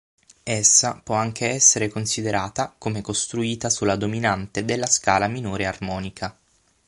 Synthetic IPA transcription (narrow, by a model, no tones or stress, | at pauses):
esːapwɔaŋk̟ʰeɛsːeɾekonsid̪eɾaːt̪akomekost̪ɾuiːt̪asulːad̪ominant̪ed̪elːaskaːlaminoːɾearmɔːnikʰa